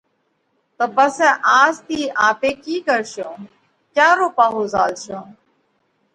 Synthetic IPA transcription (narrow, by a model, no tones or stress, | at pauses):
t̪əbəsɛʔaːzt̪iːʔaːpeːkiːkəɾʃõː | kjaːɾoːpaːɦoːzaːlʃõː